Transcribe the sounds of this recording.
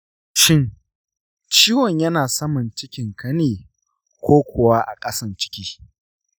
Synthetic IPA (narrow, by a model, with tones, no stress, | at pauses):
ʃɪ˦˨n | t͡ʃiː˦wɔ˨ɲjɐ˦naː˨sɐ˦mɐ˨nt͡ʃɪ˦kʲɪ˨ŋkɐ˦neː˨ | kʷoː˦kʷʊ˨wa˦ʔa̰˨kʼɐ˦sɐ˦nt͡ʃɪ̥˦kʲiː˦